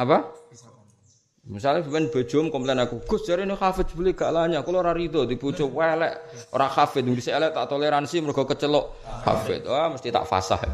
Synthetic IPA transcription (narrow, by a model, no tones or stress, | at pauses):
apa | misalɲabipɛnb̥a̤dd͡ʒ̥ɔ̤mkɔmplɛnakuɡ̥ʊ̤sd͡ʒ̥aɾenuxafɪdd͡ʒb̥əliɡ̥aʔlaɲakuloɾaɾit̪ɔd̪iput͡ʃʊwɛlɛʔ | o̰ɾaxafɪt̪̚ʊŋd̪isɛlɛʔt̪aʔt̪oleɾansiməɾoɡ̥ɔ̤kət͡ʃəlɔʔxa̰fɪ̰t̪̚waməst̪it̪a̰ʔfa̰sa̰h